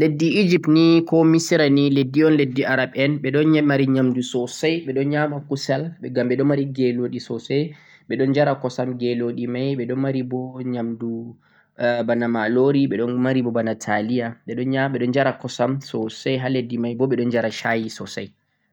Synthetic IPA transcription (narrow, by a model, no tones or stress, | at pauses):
ledːiːd͡ʒip̚tnikɔmisiɾaniledːiɔnledːiaɾaɓɛnɓɛɗɔnɲamaɾiɲamdusɔsajɓɛɗɔnɲamakusɛlɓɛɡamɓɛɗɔmaɾiɡeloɗisɔsɛj | ɓɛɗɔnd͡ʒaɾakɔsamɡeloɗimajɓɛɗɔnmaɾibɔɲamdu | banamaloɾiɓɛɗɔnmaɾibɔbanatʰalijaɓɛɗɔnɲaɓɛɗɔnd͡ʒaɾakɔsamsɔsɛjɦaledːimajbɔɓɛɗɔnd͡ʒaɾaʃajisɔsa̰j